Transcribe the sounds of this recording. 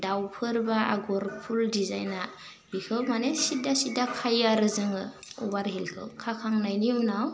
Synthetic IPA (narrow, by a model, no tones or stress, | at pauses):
dawpʰɯɾbaa̰ɡɔɾpʰuldiza̰jna | bikʰɯwmanesidasidakʰajaɾɯzɯŋɯ | ɔbaɾɦilkʰɯ̰wkʰakʰaŋnajniunaw